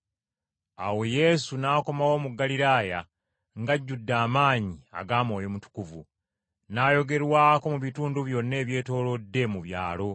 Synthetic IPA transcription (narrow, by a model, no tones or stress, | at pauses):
a̰we̞je̞sunaːko̞mawo̞ːmuɡːaliɾaːja | ŋɡaɟːudːaːmaːɲia̰ɡaːmo̞ːjo̞mutu̥kuvu | najo̞ɡe̞ɾwaːko̞muβituːnduβjo̞nːe̞ːβje̞ːto̞ːlo̞dːe̞muβja̰ːlo̞